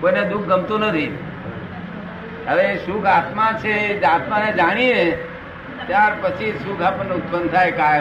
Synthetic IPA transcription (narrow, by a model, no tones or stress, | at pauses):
koined̪uk̚ʰɡəmt̪onət̪ʰi | əʋeesukʰat̪mãt͡ʃʰeːat̪mãned͡ʒaɽ̃ie | t̪jaɾpət͡ʃʰisukʰapənʊt̪̚pənt̪ʰajkaj